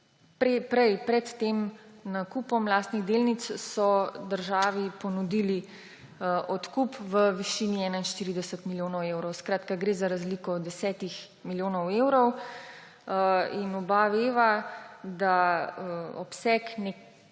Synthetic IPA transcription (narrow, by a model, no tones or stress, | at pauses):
pɾepɾɛjpɾɛt̪t̪emnakuːpɔmlaːst̪niɣd̪elnit̪ssɔd̪əɾʒaːʋipɔnud̪iːli | ʔɔt̪kupʋəʋiʃiːniɛːnainʃt̪iːɾid̪ɛsət̪miljoːnɔweːwɾɔwskɾaːt̪kaɡɾeːzaɾazlikɔd̪ɛsɛːt̪ix | miljoːnɔweːwɾɔw | inɔbaʋeːʋad̪a | ɔpsɛkne